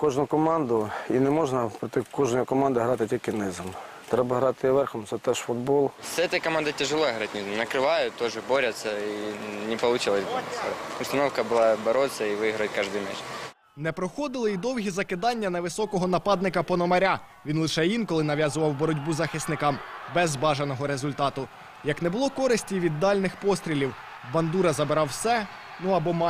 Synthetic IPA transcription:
kɔʒnʊkɔmɑnd̪ʊinɛmɔʒnɐpɾɔt̪ɪkɔʒnɔjikɔmɑnd̪ɪɦɾɑt̪ɪtʲilʲkɪnɪzɪm | t̪ɾɛbɐɦɾɑt̪ɪʋɛrxɔmt̪sɛt̪ɛʃfʊd̪bɔlˠsʲɛt̪ɐjkɐmand̪ɐtʲɪʐɨlˠoɦɾatʲnɪzmnɐkɾɪʋajʊt̪ːɔʐɨboɾʲɐt̪sɐinʲɪpɐlˠʊt͡ʃɪlˠɐsʲboɾɐ̰t̪sɐ̰ʊst̪ɐnɔfkɐbɨlˠabɐɾot̪sʲɐiʋɪiɦɾɐt̚ʲkaʐd̪ʊjmʲɛt͡ʃ | nɛpɾɔxɔd̪ɪlˠɪid̪ɔwɦʲizɐkɪd̪ɑnʲːɐnɐʋɪsɔkɔɦɔnɐpɑd̪̚nɪkɐpɔnɔmɐɾʲa | ʋʲinlˠɪʃɛjinkɔlˠɪnɐʋʲjɑzʊʋɐwbɔɾɔdʲbuzɐxɪsnɪkɑmbɛzbɑʒɐnɔɦɔɾezʊlʲt̪ɑt̪ʊ | jɐknɛbʊlˠɔkɔɾɪsʲtʲiʋʲid̪ːɑlʲnɪxpɔst̪ʲɾʲilʲiw | bɐnd̪uɾɐzɐbeɾɑwsɛ | nuɐbɔm

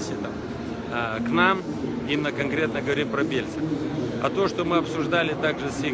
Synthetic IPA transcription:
sʲɪt̪am | knam | imʲnəkɐnkɾʲe̞t̪nəɡəvɐɾʲimpɾɐbʲelʲsɨɐ̰t̪o̞ʂt̪o̞mɨɐpsʊʐd̪alʲɪt̪aɡʐɨsʲi

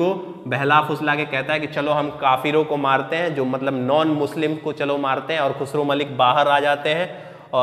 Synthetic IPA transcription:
o | bɛɦlafʊslakekɛɦt̪aɦɛkit͡ʃɐloɦɐmkaːfiːɾõkomaːɾt̪eɦɛ̃d͡ʒoːmɐt̪ləbnɔːnmʊslɪmkot͡ʃɐlomaːɾt̪eɦɛ̃ɔːɾxʊsɾõmɐlɪkbaːɦəɾaːd͡ʒaːt̪eɦɛ̃ː | ɔː

